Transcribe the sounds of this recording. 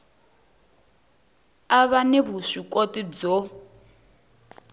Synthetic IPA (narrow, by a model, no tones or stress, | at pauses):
aβanɛβuʂikʼotid͡zɔ